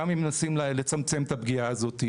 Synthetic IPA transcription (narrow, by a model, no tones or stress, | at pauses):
amimnasimlelet͡samt͡se̞met̪abɡiaːzo̞t̪i